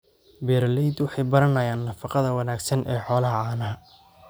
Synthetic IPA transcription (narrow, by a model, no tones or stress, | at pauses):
bɛːɾlɛjd̪wɑħɑjbɐɾɐnɐjaːnːɐfɑqɑðɐwɐnaːɡsɐnʔɛːħɔːlɐɦɐʕaːnɐɦɐ